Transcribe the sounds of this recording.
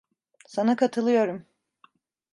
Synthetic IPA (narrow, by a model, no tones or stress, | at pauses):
sanakʰat̪ʰɯlˠɯjo̞ɾum